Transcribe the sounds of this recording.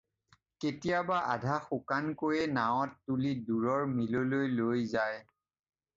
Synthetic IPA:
ketijabaʔa̰dʱaxukankojɛnaw̃ɔtːuliduɹɔɹmilolojlojzaj

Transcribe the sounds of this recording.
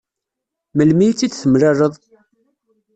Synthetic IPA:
məlmijt͡sːit͡sːθəmɾarəðˤ

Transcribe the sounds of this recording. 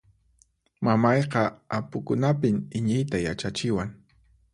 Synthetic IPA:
mamɑjqɑapʊkʊnapɪmɪɲɪjt̪ajat͡ʃat͡ʃɪwaŋ

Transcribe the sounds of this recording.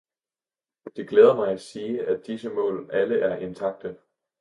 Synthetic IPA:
d̥e̝ɡ̥leːð̞ˠɐmɑ̈ɪæsiːʔæd̥isəmɔ̰̽ːlʔæləʔæɐʔe̝nt͡sʰɑ̈ɡ̥̚d̥ə

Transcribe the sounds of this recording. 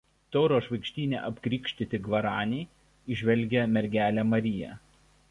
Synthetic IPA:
t̪ɔʊɾoːʃʋɐɪkʃʲt̪ʲiːnʲḛʔɐpʲkɾʲiːkʲʃʲt̪ʲɪt̪ʲɪɡʋɐɾɑːnʲɛɪ | ɪʒʲʋʲɛlʲˑɡʲɛmʲɛɾʲɡʲæːlʲæːmɐɾʲɪjɛ̰

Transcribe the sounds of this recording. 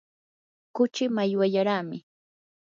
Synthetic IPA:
kʊt͡ʃɪmajwaʎaɾaːmɪ

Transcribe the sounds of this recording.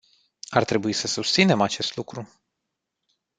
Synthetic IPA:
art̪ɾe̞buisəsust̪sine̞mat͡ʃe̞st̪lukɾu

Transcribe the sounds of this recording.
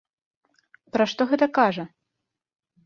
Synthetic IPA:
pɾɐʂt̪ɔɣɛt̪ɐkaʐɐ

